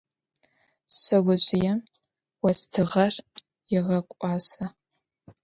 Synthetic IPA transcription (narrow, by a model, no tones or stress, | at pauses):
ɕɐɡʷʊɕʼɪjɛ | wɐstʰɨʁɐr | jɪʁɐkʷʼɑːsɐ